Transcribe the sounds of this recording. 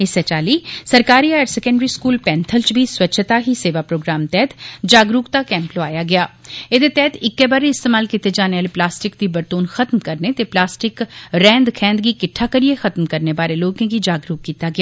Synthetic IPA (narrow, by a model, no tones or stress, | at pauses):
ɪsɛt͡ʃaːliːsəɾkaːɾiːaːɾsɛkə̃ɳɖɾiːskuːlpɛ̃ːnt̪ʰəlt͡ʃbʱiːswətːt͡ʃʰt̪aːɦiːseːʋaːpɾoːɡɾaːmt̪ɛːt̪d͡ʒaːɡɾuːkt̪aːkɛ̃ːmploaːjaːɡɪjaːed̪eːt̪ɛːt̪ɪkːeːbaɾeɪst̪eːmaːlkit̪eːd͡ʒaːneaːleplaːsʈɪkd̪iːbəɾt̪uːnxət̪mkəɾnet̪eːplaːsʈɪkɾɛ̃ːnd̪kʰɛ̃ːnd̪ɡiːkɪʈʰaːkəɾijexət̪mkəɾneːbaːɾeloːkẽːɡiːd͡ʒaːɡɾuːkːiːt̪aːɡɪjaː